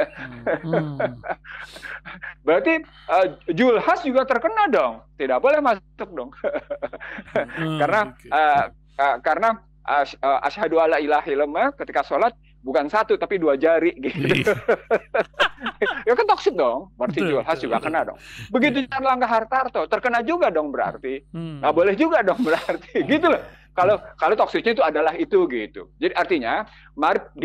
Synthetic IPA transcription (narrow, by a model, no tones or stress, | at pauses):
bɾart̪i | əd͡ʒulhasd͡ʒuɡat̪ərkənadɔŋt̪idak̚bolɛhmasʊk̚dɔŋ | karnaʔə | əkarəna | ʔaʃəʔa̰ʃhadualailaɦiləmakət̪ikasolat̪̚ | bukansat̪ut̪apiduad͡ʒaɾiɡit̪u | jakant̪ɔksɪt̪̚dɔŋmart̪id͡ʒualɦasd͡ʒuɡa̰kənadɔ̰ŋbəɡit̪̬uaɾlaŋɡaɦart̪art̪ot̪ərkənad͡ʒuɡadɔŋbəɾa̰rt̪iŋɡaʔbolɛhd͡ʒuɡadɔŋbəɾart̪iɡit̪ulah | kalokalot̪ɔksɪt̪ɲait̪uadalaɦit̪uɡit̪ṵd͡ʒadiʔart̪iɲa | maɾɪp̚